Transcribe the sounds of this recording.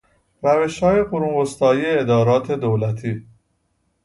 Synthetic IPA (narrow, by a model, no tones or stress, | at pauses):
ɾæve̞ʃhɒːje̞ɢoɾuːmbost̪ɒːjiːeːd̪ɒːɾɒːt̪ʰe̞d̪owlæt̪ʰiː